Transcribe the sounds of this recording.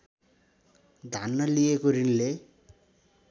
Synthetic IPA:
d̪ʱanːʌlijekoɾinle

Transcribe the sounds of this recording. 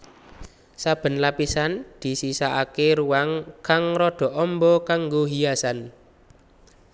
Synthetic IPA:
sab̥ə̤nlapisand̪̥i̤sisaʔakeɾuwaŋkaŋrɔɖ̪̥ɔ̤ʔɔmbɔkaŋɡoɦijasan

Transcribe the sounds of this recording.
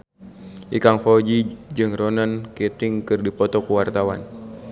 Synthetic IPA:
ʔḭkaŋfɔd͡ʒid͡ʒɨŋrɔnənkɛt̪ɪŋkɨrdipɔt̪ɔkuwart̪awa̰n

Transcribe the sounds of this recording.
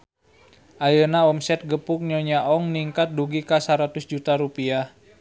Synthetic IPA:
ʔajənaɔmsɛt̪̚ɡəpʊk̚ɲɔɲaʔɔŋniŋkat̪̚duɡikasaɾat̪ʊsd͡ʒut̪aɾupia

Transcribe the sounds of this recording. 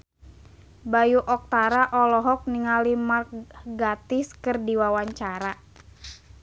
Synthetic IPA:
bajuʔɔk̚t̪aɾaʔɔlɔɦɔk̚niŋalimarkɡat̪ɪskɨrdiwawaɲt͡ʃaɾa

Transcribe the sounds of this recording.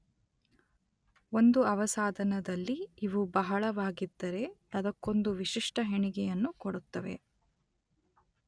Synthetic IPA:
o̞nd̪uɐʋɐsaːd̪ʱɐnɐd̪ɐlːiːʋubɐɦɐɭɐʋaːɡid̪ːɐɾe̞ɐd̪ɐkːo̞nd̪uʋiʃiʂʈɐɦeɳiɡɛjɐnːukoɽut̪ːɐʋe̞̰

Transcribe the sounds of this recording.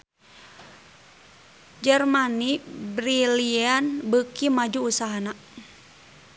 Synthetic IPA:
d͡ʒərmanibɾilianbəkimad͡ʒuːsaɦana

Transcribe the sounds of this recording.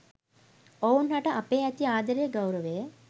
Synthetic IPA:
ounɦaʈɐʔɐpeːɛt̪iaːd̪ɐɾeːɡɐwɾɐʋeː

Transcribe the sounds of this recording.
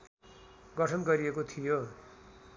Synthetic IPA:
ɡʌʈʰʌnɡʌɾiekot̪ʰijo

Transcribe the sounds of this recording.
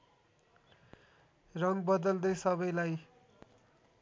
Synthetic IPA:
rʌŋɡbʌd̪ʌld̪ʌjsʌβʌjlaj

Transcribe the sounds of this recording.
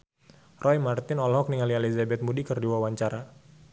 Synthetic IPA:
rʔɔjmart̪ɪnɔlɦɔk̚niŋalielizabɛt̪̚mudikɨrdiwawaɲt͡ʃaɾa

